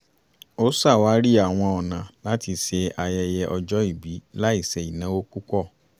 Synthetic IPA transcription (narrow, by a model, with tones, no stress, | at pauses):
o˦sa˦˨wa˨˦ɾi˦a˦˨w̃ɔ̃˧ɔ˨nã˨la˨˦ti˧se˧a˧jɛ˧jɛ˧ʔɔ˧d͡ʒɔ˦i˦˨bi˨˦la˦i˦˨sɛ˧i˨nã˨˦wo˦ku˦kɔ˦˨